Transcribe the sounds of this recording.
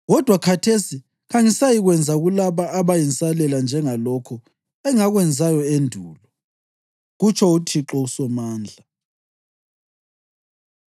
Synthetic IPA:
ɣɔd̥ʱwakʰatʰesi | ɣaŋisajiɣwɛnd͡zʱaɣulaβaːβajinsalɛland͡ʒʱɛŋalɔkʰɔ | ɛŋaɣwɛnd͡zʱajɔendʱuːlɔ | ɣut͡ʃʰɔutʰiǁɔusɔmaːnd͡ɮʱa

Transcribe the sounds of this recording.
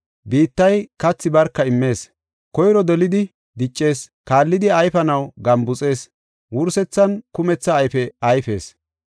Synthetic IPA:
biːt̪ːɐjkɐt͡sːɪbɐɾkːɐɪmːe̞ːs | kɔjɾɔd̪ɔlɪd̪ɪ | d̪ɪt͡ʃʼːe̞ːskaːlːɪd̪ɪɐjfɐnɐwɡɐmbʊt͡sʼe̞ːs | wʊɾsɛt͡sːɐnkʊmɛt͡sːɐːjfɛɐjfe̞ːs

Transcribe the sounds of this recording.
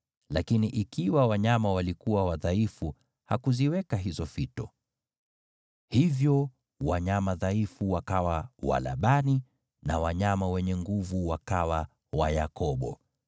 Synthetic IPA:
lakiniʔikiwawaɲamawalikuwawaðaifu | hakuziwɛkaɦizɔfitɔ | hivjɔ | waɲamaðaifuwakawawa̰la̰ɓani | na̰waɲamawɛɲɛŋɡuvuwakawa | wajakɔɓɔ̰

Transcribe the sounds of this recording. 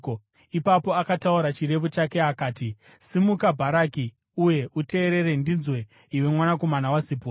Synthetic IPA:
o | ipapo̞akatauɾat͡ʃiɾe̞fut͡ʃake̞akaːti | simukabʱaɾaːki | uje̞ʔute̞ːɾe̞ɾe̞ndinzwe̞ | iwe̞mwanako̞manawasipo

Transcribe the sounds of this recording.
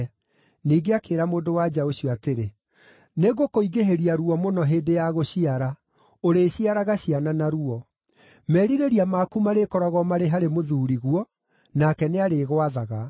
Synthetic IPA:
niːɡeakeːɾamoːdowad͡ʒaoɕiɔateɾe | neɣokoiɣeɦeɾiaɾuɔmonɔɦedejaɣoɕiaɾa | oɾeːɕiaɾaɣaɕiananaɾuɔ | mɛɾiɾeɾiamakumaɾekɔɾɔɣɔmaɾeɦaɾemoðuːɾiɣwɔ | nakɛneaɾeːɣoaðaɣa

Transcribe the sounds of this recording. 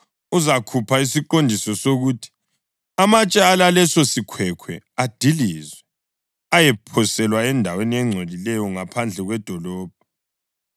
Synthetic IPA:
uzakʰupʰaisiǃondʱisɔsoɣutʰi̥ | amat͡ʃʼaalalɛsɔsikʰwɛkʰwɛ̰ | ad̥ʱilizwɛ | ajɛpʰɔsɛlwaɛndʱaweniɛŋ͡ǀʱolilɛjɔŋapʰand͡ɮʱɛɣwɛd̥ʱɔlɔːb̥̚ʱɔ

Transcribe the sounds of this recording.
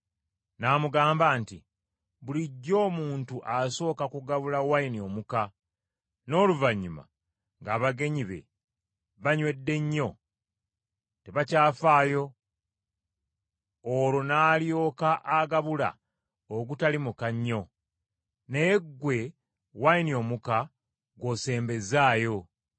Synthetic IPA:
naːmuɡaːmbaːnti | βuliɟːo̞ːmuːntuʔaso̞ːkakuɡaβulawainio̞muka | no̞ːluvaɲːuma̰ | ŋɡaːβaɡe̞ɲiβe̞̰ | βaɲwe̞dːe̞ɲːo̞ | teβacaːfaːjo̞ | lo̞naːljo̞ːkaʔaɡaβula̰ | oɡutalimukaɲːo̞ | neɡːwe̞ | wainio̞muka | ɡwo̞ːse̞ːmbe̞zaːjo̞

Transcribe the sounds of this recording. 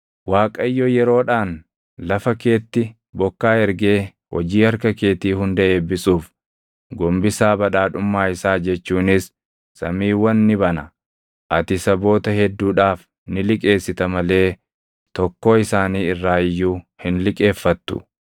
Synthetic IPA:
waːkʼɐjːɔjɛɾo̞ːᶑaːn | lɐfɐke̞ːt̪ːɪ | bɔkːaːɛɾɡe̞ː | wɔ̰d͡ʒiːhɐɾkɐke̞ːt̪iːhʊnd̪ɐʔe̞ːbːɪsuːf | ɡɔmbɪsaːbɐᶑaːᶑʊmːaːɪsaːd͡ʒɛt͡ʃːuːnɪs | sɐ̰miːwɐnːɪbɐnɐ | ʔɐt̪ɪsɐbo̞ːt̪ɐhɛd̪ːuːᶑaːf | nɪlɪkʼe̞ːsːɪt̪ɐmɐle̞ː | t̪ɔkːo̞ːɪsaːniːɪrːaːɪjːuːhɪnlɪkʼe̞ːfːɐt̪ːʊ̰

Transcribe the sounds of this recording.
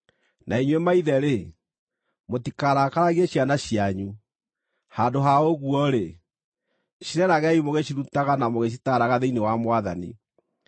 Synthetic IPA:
naiɲwemaiðɛɾe | motikaɾakaɾaɣeɕjanaɕiaɲu | handoɦaoɣuɔɾe | ʃiɾɛɾaɣɛimoɣeɕiɾutaɣanamoɣeʃ̬itaɾaɣaðeinewamwaða̰nḭ

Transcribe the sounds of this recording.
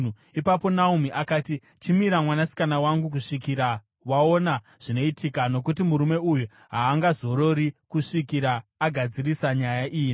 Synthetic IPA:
u | ipapo̞naumiʔakaːti | t͡ʃimiɾamwanasi̥kanawaŋɡukuʂikiɾa | wao̞na | ʐ̥ino̞itʰikano̞k̬ut̬imuɾume̞uju | ɦaːŋɡazo̞ɾo̞ɾikuʂikiɾaːɡʱad͡zirisaɲajaʔiːi

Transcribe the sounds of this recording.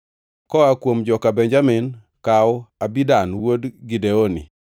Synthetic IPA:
kɔakwomd͡ʒɔkabɛɲd͡ʒamɪn | kawabidanwodɡideonḭ

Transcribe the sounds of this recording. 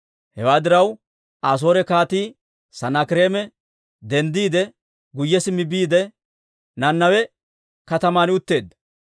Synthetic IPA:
hɛwaːd̪ɪɾɐw | ʔaːs̬o̞ːɾɛkaːt̪iː | sɐnɐkɪɾe̞ːmɛ | d̪ɛnd̪iːd̪ɛ | ɡʊjːɛsɪmɪbiːd̪ɛ | nɐnːɐwɛ | kɐt̪ɐmaːnɪʊt̪ːe̞ːd̪ːɐ

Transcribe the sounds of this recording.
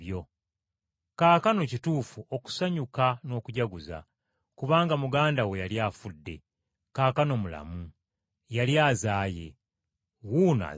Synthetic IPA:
jo̞ | kaːkano̞cituːfuʔo̞ku̥saɲukano̞ːkuɟaɡuza̰ | kuβaːŋɡamuɡaːndawe̞jaljaːfudːe̞̰ | kaːkano̞mula̰mu | jaljaːzaːje̞̰ | wuːna̰

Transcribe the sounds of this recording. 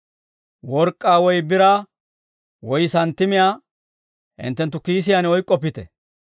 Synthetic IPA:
wɔɾkʼːaːwɔjbɪɾa | wɔjsɐnt̪ːɪmɪjaː | hɪ̰nt̪ːɛnt̪ːʊkiːs̬ɪjanɔjkʼːɔpːɪt̪ɛ

